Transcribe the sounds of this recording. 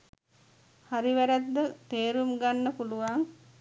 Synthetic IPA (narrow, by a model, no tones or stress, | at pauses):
haɾiʋæɾæt̪ːət̪eːɾumɡanːəpuluʋaŋ